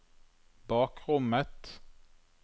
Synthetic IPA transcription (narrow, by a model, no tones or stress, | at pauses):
b̥ɑːkʁʊmət̪